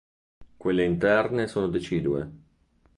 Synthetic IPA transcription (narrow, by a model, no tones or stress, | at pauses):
kwelːeint̪ɛrnesoːnod̪et͡ʃiːd̪uḛ